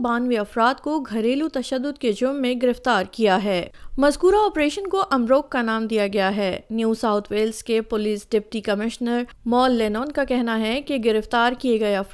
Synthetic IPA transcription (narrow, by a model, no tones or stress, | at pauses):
baːnʋiɐfɾaːt̪̚koɡʱɐɾeːlut̪ɐʃəd̪ːʊd̪ked͡ʒʊmːẽɡɪɾɪft̪aːɾkijaɦɛːmɐzkuːɾaɔːpɾeːʃənkoʔɐmɾoːkːanaːmd̪ijaɡɐjaɦɛːnjuːsaːʊt̪ʰʋeːlzkepʊliːsɖɪp̚ʈikɐmɪʃnəɾ | mɔːlːeːnɔːnkakɛɦnaɦɛkeɡɪɾɪft̪aːɾkijeɡɐeɐf